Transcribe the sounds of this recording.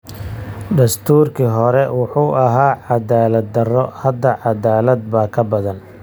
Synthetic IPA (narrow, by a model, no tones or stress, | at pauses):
ɖ̪ɐst̪ʰuːrkʰiɦɔɾɛwʊħuːʔɐɦaːʕɑd̪aːlɐd̪̚d̪ɐrɔhɐd̪ːɐʕɑd̪aːlɐd̪̚baːkʰɐbɐðɐn